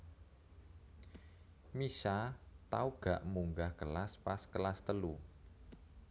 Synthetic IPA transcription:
miʃat̪auɡ̥aʔmuŋɡahkəlaspaskəlast̪əlu

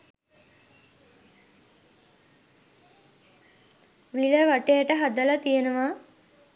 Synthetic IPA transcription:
ʋiləʋaʈejəʈəɦad̪əlat̪ijənəʋaː

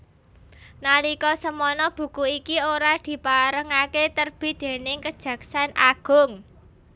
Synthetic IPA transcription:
nalikɔsəmɔnɔb̥ṳkuikioɾad̪̥i̤paɾəŋaket̪ərb̥i̤d̪̥e̤nɪŋkəd̥ʒ̥ä̤ksanʔaɡ̥ʊ̤ŋ

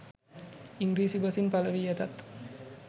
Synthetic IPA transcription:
iŋɡɾiːsibɐsinpaləʋiːet̪at̪

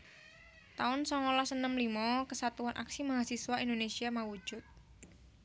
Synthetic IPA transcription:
t̪aʊnsɔŋolasənəmlimɔkəsat̪uanʔa̰ksimaɦasiswaʔindonesiamawu̥d͡ʒ̥ʊt̪̚

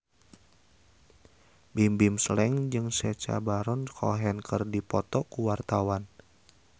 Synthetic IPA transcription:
bimbimslɛŋd͡ʒɨŋsɛt͡ʃa̰baɾɔnkʰɔ̰ɦɛnkʰɨrdipɔt̪ɔkuwart̪awan

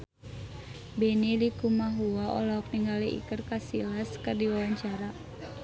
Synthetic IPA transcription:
benilikumaɦuaʔɔ̰laɔk̚niŋɡaliʔḭkərkasilaskɨrdiwawaɲt͡ʃaɾa

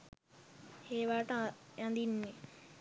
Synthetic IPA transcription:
heːʋaːʈəjand̪inːe

